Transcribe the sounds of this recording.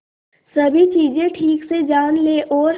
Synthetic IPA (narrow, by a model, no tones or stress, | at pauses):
sɐbʱit͡ʃiːd͡ʒẽʈʰiːksed͡ʒaːnleːʔɔːɾ